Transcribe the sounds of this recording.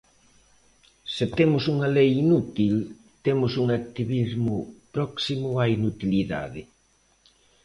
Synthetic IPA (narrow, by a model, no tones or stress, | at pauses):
sɪt̪emʊsuŋɐlejinut̪il | t̪emʊsuŋak̚t̪iβizmʊpɾɔksimʊainut̪iliða̰ðɪ